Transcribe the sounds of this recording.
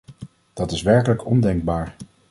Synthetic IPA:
d̥ɑtɪsʋɛɹkələkɔndɛŋɡ̚baːɹ

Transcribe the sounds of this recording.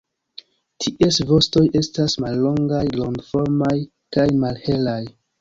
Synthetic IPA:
tʰiʔesvo̞sto̞je̞stasmalːo̞ŋɡajlo̞ŋɡfo̞ɾmaj | kajmalhe̞laj

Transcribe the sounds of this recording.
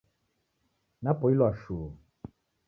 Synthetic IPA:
napɔilwaʃuː

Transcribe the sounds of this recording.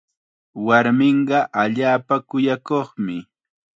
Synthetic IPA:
waɾmɪɴɢɑʔaʎaːpakʊjakoχmɪ

